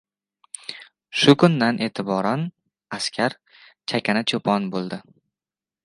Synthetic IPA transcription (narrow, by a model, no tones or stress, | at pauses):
ʃʊkʰʊnd̪anʔe̞ːt̪ʰɪbɒɾan | askʲʰaɾ | t͡ʃʰakʲʰanat͡ʃʰopʰɒnbolˠd̪ɪ